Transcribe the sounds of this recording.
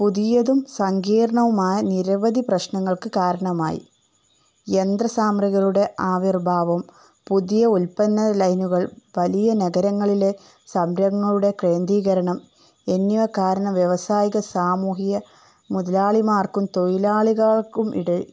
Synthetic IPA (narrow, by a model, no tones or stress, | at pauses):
puðijɐðumsɐŋɡiːɾɐɳɐʋumaːjɐniɾɐʋɐd̪iprɐɕɳɐŋːɐɭkɨkaːɾɐɳɐma̰ːjḭ | end̪rɐsaːmrɐɣɐɭuɽe̞ʔaːʋirbʱaːʋɐm | puðijɐulpɐnːɐlɐjnuɣɐɭʋɐlijɐnɐɡɐɾɐŋːɐɭile | sɐmɾɐŋːɐɭuɽe̞kre̞ːnd̪iːɣɐɾɐɳɐm | enːuʋɐkaːɾɐɳɐmʋjeʋɐsaːjiɣɐsaːmuːɦijɐ | muðɐlaːɭimaːrkumt̪o̞jilaːɭiɣaːɭkumʔḭɽe